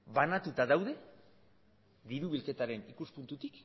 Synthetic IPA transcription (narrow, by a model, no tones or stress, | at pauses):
βanat̪ut̪aðawðe̞ | ðiɾuβilke̞t̪aɾe̞nikuspunt̪ut̪ik